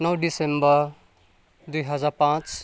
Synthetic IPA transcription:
nʌwɖisembəɾ | d̪ujɦɐd͡zaɾpãːt͡s

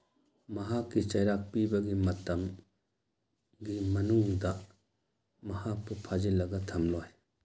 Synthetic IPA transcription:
mɐɦakːit͡ʃɐjɾak̚pibɐɡimɐtɐm | ɡimɐnuŋdɐ | mɐhak̚pʰupʰad͡ʒilːɐɡɐtʰɐmlɔj

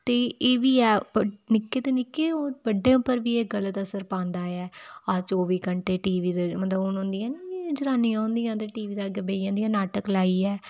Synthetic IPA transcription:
t̪eːeːʋiːɛːnɪkːeːt̪eːnɪkːeːobəɖeːʊpːəɾʋiːeːɡələt̪əsəɾpãːnd̪aːɛːat͡ʃoːʋiːkəɳʈeːʈiːʋiːd̪emət̪ləbʊnõːnd̪ijãːnːd͡ʒəɾaːniːãːõːnd̪ijãːt̪̬eːʈiːʋiːd̪aːɡəbeːãːnd̪ijãːnaːʈəklaːiːɛː

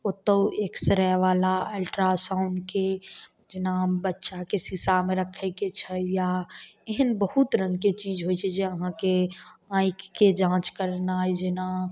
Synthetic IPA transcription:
ot̪ːəeːksəɾɛʋaːlaelʈɾasãʊnke | d͡ʒenabətːʃakesisamẽɾəkʰɛket͡ʃʰəjaeɦənbəɦut̪ɾə̃ŋɡket͡ʃiːd͡ʒɦojt͡ʃʰɛd͡ʒeəɦãkeãːɪkːed͡ʒãːt͡ʃkəɾnajd͡ʒena

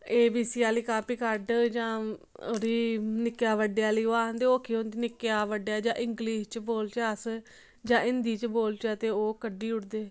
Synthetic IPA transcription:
eːbiːsiːaːliːkaːpiːkəɾɖd͡ʒãːoɾiːnɪkjaːʋəɖejaːliːoːaːɦənd̪eːoːkʰːiːont͡ʃ̪nɪkːejaːʋəɖjaːd͡ʒãːʔɪŋɡliːʃt͡ʃboːlt͡ʃaːs | d͡ʒãːʔɪnd̪iːt͡ʃboːlt͡ʃət̪eːoːkəɖiːʊʈd̪eː

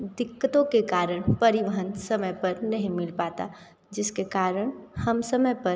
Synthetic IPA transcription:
d̪ɪkːət̪õkekaːɾəɽ̃pɐɾɪʋəɦənsɐməjpɐɾnɐɦĩmɪlpaːt̪a̰ | d͡ʒɪskekaːɾəɽ̃hɐmsɐməjpɐ

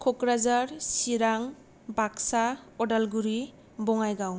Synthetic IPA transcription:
kʰɔkɾazaɾsiɾaŋ | bʱaksaɔdalɡuɾi | bɔŋajɡaw

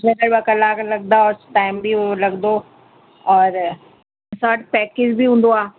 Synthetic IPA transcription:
d͡ʒɛ̃d̪əɾbakɐlaːklɐɡ̚d̪aɔːɾʈaːɪmbʱilɐɡd̪o | ɔːɾ | saːʈpɛːked͡ʑbʱiɦũːn̆d̪oaː

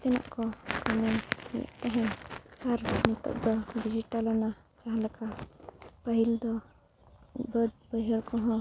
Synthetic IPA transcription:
t̪ɛna̰ʔkɔkamɛnḭjɛ̰ʔt̪ɛɦɛ̃naɾnit̪ɔ̰ʔ̚d̪ɔɖid͡ʒiʈalɔna | t͡ʃaɦãlɛka | pəɦild̪ɔ | bəd̪̚bəjɦəɾkɔɦɔ̃

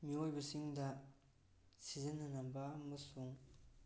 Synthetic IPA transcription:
miojbɐsiŋdɐ | sizinːɐnambɐːmɐsuŋ

